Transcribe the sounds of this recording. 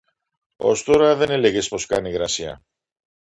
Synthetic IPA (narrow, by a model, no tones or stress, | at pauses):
o̞̰st̪o̞ɾɐðe̞nele̞ʝe̞spo̞skɐniɣɾɐsiɐ̰